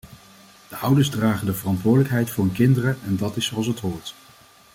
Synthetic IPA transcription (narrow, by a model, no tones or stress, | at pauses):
d̥əʔʌwdəɹzdraːχəndəvərɑntʋʊːdələkɦɛjtfʊːɹənkɪndərəʔɛndɑtɪsoɑlˠsɦətɦʊːɹt